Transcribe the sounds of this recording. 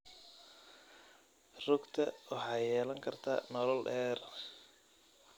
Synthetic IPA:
rʊɡt̪ʰɐwʔɑħɑjɛːlɐŋkʰɐrt̪ʰa̰ːnɔlɔlɖɛːr

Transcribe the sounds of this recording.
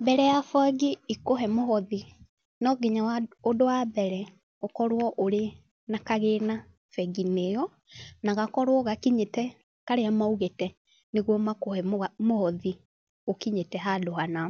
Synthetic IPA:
bɛɾɛjafwaɡiikoɦɛmoɦɔði | nɔɡiɲaaodowabɛɾɛ | okɔɾwɔʔoɾe | nakaɣena | fɛɡinejɔ | naɣakɔɾwɔɣakiɲetɛ | kaɾeamauɣetɛ | neɣwɔmakohɛmohɔði | okiɲetɛɦadohana

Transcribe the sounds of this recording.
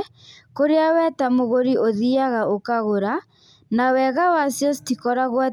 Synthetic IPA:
koɾeawɛtamoɣoɾioðiaɣaʔokaɣoɾa | nawɛɣawasjɔstikɔɾaɣwa

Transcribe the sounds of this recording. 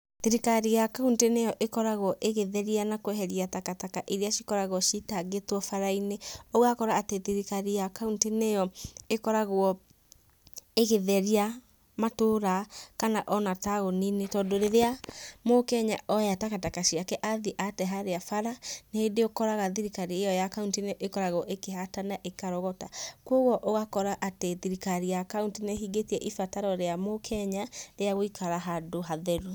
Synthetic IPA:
ðiɾikaɾijakauntenejɔʔekɔɾaɣwɔʔeɣeðɛɾianakwɛɦɛɾiatakatakaʔiɾeaʃikɔɾaɣɔʃitaɡetwɔfaɾaineoɣakɔɾaːteðiɾikaɾijakauntenejɔekɔɾaɣwɔ | eɣeðɛɾia | matoːɾakanaʔɔnataɣoninetɔːdoɾeɾeamokɛɲaʔɔjatakatakaɕiakɛʔaðiʔatɛɦaɾeafaɾaneedeokɔɾaɣaðiɾikaɾiejɔjakauntineʔekɔɾaɣɔʔekeɦatanaʔekaɾɔɣɔtakwoɣɔʔoɣakɔɾaʔateðiɾikaɾijakauntineɦiɡetiɛʔifataɾɔɾeamokʰɛɲaɾeaɣoikʰaɾaɦadoɦaðɛɾu

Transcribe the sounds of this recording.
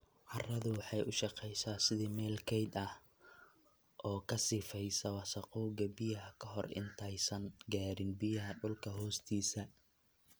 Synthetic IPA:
ʕɑrɐðʊwɑħɑjʔʊʃɑqɛjsaːsɪðiːmɛːlkʰɛjd̪ɐh | ʔɔːkʰɐsɪfɛjsɐwɑsɐqɔːɡɐbɪjɐɦɐkʰɐɦɔrɪ̰nt̪ʰɐjsɐnɡaːɾɪnbɪjɐɦɐɖʊlkʰɐɦɔːst̪ʰiːsɐ

